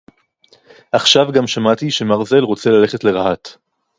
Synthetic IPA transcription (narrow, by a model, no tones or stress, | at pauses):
ʔaχʃavɡamʃamat̪iʃe̞maʁze̞lʁo̞t͡se̞lale̞χe̞tle̞ʁahat̪